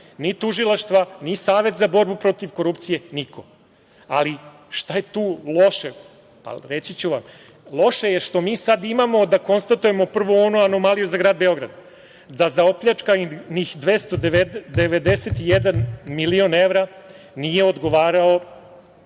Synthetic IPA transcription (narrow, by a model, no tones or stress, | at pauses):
nit̪uʒilˠaʃt̪ʋanisaːʋe̞t̪zabo̞ɾbupɾo̞t̪iʋko̞ɾupt̪sije̞nikʰo̞ | a̰li | ʃt̪ajet̪uːlˠo̞ʃe | pa̰ɾet͡ɕit͡ɕuʋam | lˠo̞ʃe̞jeʃt̪o̞miːsad̪imamo̞d̪ako̞nst̪at̪uje̞mo̞pr̩ʋoonoano̞malijuzaɡɾaːd̪̚be̞o̞ɡɾa̰d̪ | d̪azao̞pʎat͡ʂkanixd̪ʋest̪oed̪eʋed̪eset̪ijed̪anmilio̞neʋɾa | nije̞o̞d̪ɡo̞ʋaːɾao̞